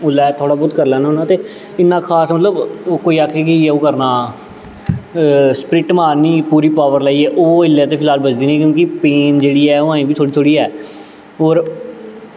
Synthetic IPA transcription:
ʊlːɛːt̪ʰoːɽaːbʊt̪kəɾlɛːnaɦoːnãːt̪eː | ɪnːãːkʰaːsmət̪ləbkoːiːaːkʰɛːkɪoːkəɾnaː | spɾɪʈmaːɾniːpuːɾiːpaːʋəɾlaːiːɛːʔoːɪlːɛːt̪eːpʰɪlaːlbəd͡ʒd̪iːnĩːkjõːkɪpeːnd͡ʒeːɽiːɛːoːãːĩːbiːt̪ʰoːɽiːt̪ʰoːɽiːɛː | oːɾ

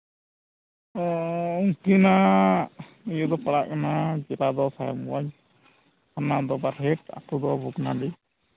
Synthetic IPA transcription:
ɔuŋkina | ijud̪ɔpaɽaʔkanad͡ʒɛɾad̪ɔsajɔ̰mwaɲ | hanad̪ɔbaɾɦɛʈa̰t̪ud̪ɔbuknaɖi

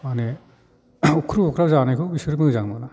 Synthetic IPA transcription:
mane | ukʰɾuɔkʰɾawzanajkʰɯbisɯɾimɯzaŋmana

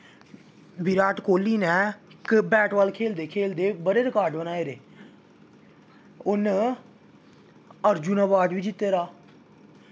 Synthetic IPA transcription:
biɾaːʈkoːlːiːnɛːkbɛːʈʋaːlkʰeːld̪eːkʰeːld̪eːbəɽeːɾɪkaːɾɖbənaːeːɾeː | ʊn | əɾd͡ʒuːnaːbaːd̪ʋiːd͡ʒɪt̪ːeːɾaː

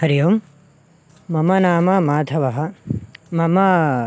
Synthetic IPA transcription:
hɐɾijoːm | ɐmɐnaːmɐmaːt̪ʰɐʋɐɦɐmɐmɐ

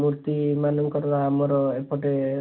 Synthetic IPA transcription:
muɾt̪imanɔmkɔɾɾamoɾɔepɔʈe

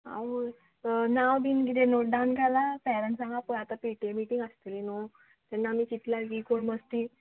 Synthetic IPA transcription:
ã̰w | nawbʱinɡit̪enoʈ̚ɖawnɡʱalapɛɾəɳʈsãŋɡapəat̪apiʈemiʈiŋɡast̪ilino | t̪ɛnːamit͡ɕit̪laɡikoɽməst̪i

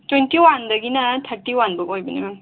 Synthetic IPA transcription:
twentiwandɐɡinɐtʰɐɾtiwanbɯkojbɐnibaŋ

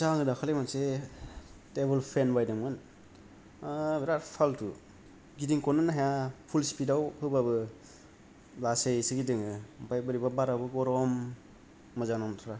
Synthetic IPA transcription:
saŋɯdakʰalemanse | tebɯlpʰenbajdaŋɯn | beɾaɾpʰaltu | ɡidiŋkɔnɯnaɦajapʰulsi̥pidawhɯbaβɯ | lasejsɯɡidɯŋɯpajbɯɾibabaɾabɯɡɔɾɔmː | ɯzaŋnamtʰaɾa

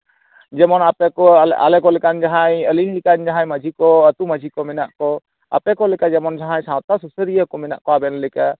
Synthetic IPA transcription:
d͡ʒɛmɔnapɛkɔa̰lɛkɔlɛkand͡ʒaɦajəlinlikand͡ʒaɦãjməd͡ʒʱikɔət̪uməd͡ʒʱikɔmɛnaʔkɔ | a̰pɛkɔlɛkad͡ʒɛmɔnd͡ʒaɦãɲsãw̃t̪asusəɾijəkɔmɛna̰ʔkɔabɛnlɛka

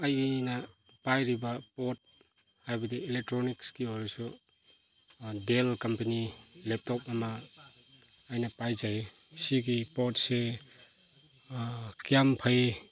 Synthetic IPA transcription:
ɐjnɐ | pajɾibɐpɔt̚ | hajbɐdielek̚tɾɔnikskiɔɾasu | delkɐmpɐnilep̚tɔp̚ɐmɐ | jnɐpajzaj | siɡipɔtse | kijampʰaj

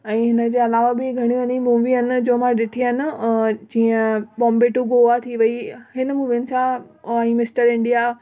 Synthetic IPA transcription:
ɛ̃ːɦɪnə̆d͡ʑeːɐlaːʋabɪɡʱɐɽ̃iʋɐnimũʋiɦənɪ̆d͡ʑoːmãɗɪʈ̪ʰinɪ̆d͡ʑĩːə̃bɔ̃ːmbeʈuɡoat̪ʰiʋɐihɪnəmũːʋinɪ̆sãɛ̃ːmɪsʈəɾɪ̃ɳɖija

